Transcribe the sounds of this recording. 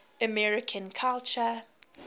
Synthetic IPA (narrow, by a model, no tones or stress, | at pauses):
əmɛɹɪkʰə̃nkʰalt͡ʃə